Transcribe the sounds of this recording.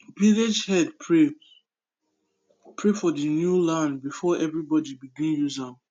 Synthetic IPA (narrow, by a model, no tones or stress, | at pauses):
piled͡ʒhɛdpʰɹe | pʰɹefɔdinjulãndbifɔʔɛvɹibɔdibiɡĩnjuzã